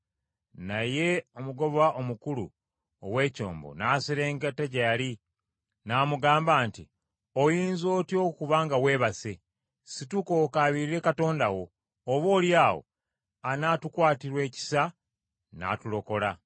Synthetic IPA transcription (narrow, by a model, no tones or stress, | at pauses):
naje̞o̞muɡo̞βaʔo̞mukulṵ | o̰we̞ːco̞̰ːmbo̰naːsiɾe̞ːŋɡateɟajali | naːmuɡaːmbaːnti | o̞jiːnzo̞ːtjo̞ːkuβaːŋɡawe̞ːβase | situko̞kaːβiɾiɾe̞kato̞ːndawo̞ː | βo̞ːljaːwo̞̰ | anatukwaːtiɾwe̞ːci̥sa | na̰tulo̞ko̞la